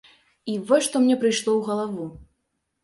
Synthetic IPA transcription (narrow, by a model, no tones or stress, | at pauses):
ivɔʂt̪ɔmnʲɛpɾɨjʂlˠɔwɣɐlˠavu